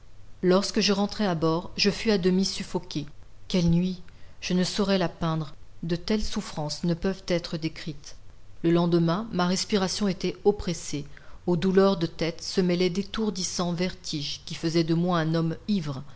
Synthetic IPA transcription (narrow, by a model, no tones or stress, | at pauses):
lɔʁskəʒəʁɑ̃t̪χɛabɔʁʒəfyad̪əmisyfɔkʲekʲɛlnɥiʒ̥ənəsɔʁɛlapɛ̃d̪ʁd̪ət̪ɛlsufχɑ̃snəpœvt̪ɛt̪χəd̪ekχit̪ləlɑ̃d̪əmɛ̃maʁɛspiʁasjɔ̃et̪ɛɔpχeseod̪ulœʁd̪ət̪ɛt̪səmɛlɛd̪et̪uʁd̪isɑ̃vɛʁt̪ʰiʒkʲifəzɛd̪əmwaɛ̃nɔmivʁ